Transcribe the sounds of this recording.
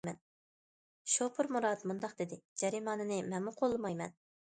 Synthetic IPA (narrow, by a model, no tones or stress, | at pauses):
mɛn | ʃopʰʊɾmuɾɑːt̪mund̪ɑqd̪ɪd̪ɪd͡ʒɛɾimɑːnɨnɨmɛnmʊqʰolˠːɨmɑjmɛ̰n